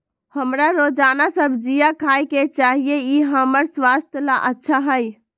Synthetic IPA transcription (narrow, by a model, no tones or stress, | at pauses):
həmɾaɾod͡ʒanasəbʱd͡ʒijakʰajket͡ʃaɦijeiɦəməɾswast̪ʰjəlaʔətːʃʰaɦəj